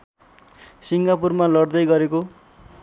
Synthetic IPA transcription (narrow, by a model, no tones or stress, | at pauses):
siŋɡapurmalʌɽd̪ʌjɡʌɾeko